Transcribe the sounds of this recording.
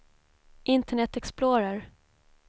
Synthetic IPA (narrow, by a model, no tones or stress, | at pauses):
ʔɪnt̪əɳɛt̪ːɛksploːɾəɾ